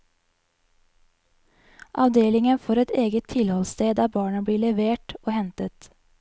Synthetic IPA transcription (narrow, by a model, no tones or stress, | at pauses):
ʔɑʋd̪eːlɪŋənfoːɾɛt̪eːɡət̪ʰɪlhɔlst̪eːd̪æːbɑːɳəbɽiːɭɛʋeːʈoːhɛnt̪ət̪